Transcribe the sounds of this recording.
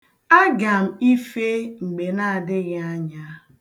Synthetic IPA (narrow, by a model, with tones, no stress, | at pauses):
a˦ɡa˨m̩˨i˦fe˦ŋ͡m̩˨ɡ͡be˨na˦a˨dɪ˦ɣɪ˦a˦ɲa˦